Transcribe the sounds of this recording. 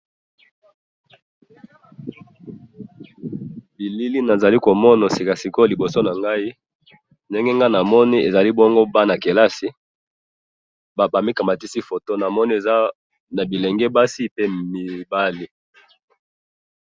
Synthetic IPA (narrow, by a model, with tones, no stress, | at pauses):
bi˨li˦li˦na˨za˨li˦ko˨mɔ˦na˨si˨ka˨si˨ko˦li˨bo˨so˦na˨ŋɡa˦i˦ | ndɛ˦ŋɡe˦ŋɡa˦na˨mɔ˦ni˦e˨za˨li˦bɔ˦ŋɡo˦ba˦na˨ke˨la˦si˦ | ba˨ba˨mi˦ka˨ma˨ti˦si˦fo˨to˦na˨mɔ˦ni˦e˨za˦ | na˨bi˨lɛ˨ŋɡɛ˦ba˦si˦pe˦mi˨ba˦li˦